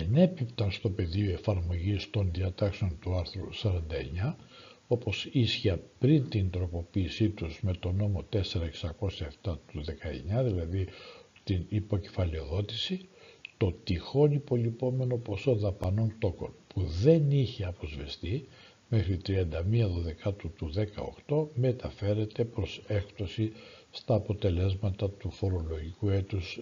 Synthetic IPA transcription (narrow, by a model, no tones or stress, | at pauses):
ine̞pipt̪ɐnst̪o̞pe̞ðioe̞fɐɾmo̞ʝist̪o̞nðiɐt̪ɐkseo̞nt̪uɐɾθɾusɐɾɐnd̪ɐe̞ɲɐ | o̞po̞sisçɐpɾint̪ind̪ɾo̞po̞piːsit̪uzme̞t̪o̞no̞mo̞t̪e̞se̞ɾɐeksɐko̞sjɐeft̪ɐt̪uðe̞kɐe̞̰ɲɐðilɐðit̪inipo̞ce̞̥fɐleo̞ðo̞t̪isit̪o̞t̪ixo̞nipo̞lipo̞me̞no̞po̞so̞ðɐpɐno̞nt̪o̞ko̞npʰuðe̞niçeɐpɾo̞zvest̪i | me̞xɾit̪ɾiɐnd̪ɐmiɐðoðe̞kɐt̪ut̪uðe̞kɐ̰o̞̰xt̪o̞me̞t̪ɐfe̞ɾe̞t̪e̞pɾo̞se̞kt̪osist̪ɐːpo̞t̪e̞le̞zmɐt̪ɐt̪ufo̞ɾo̞lo̞ʝikue̞t̪us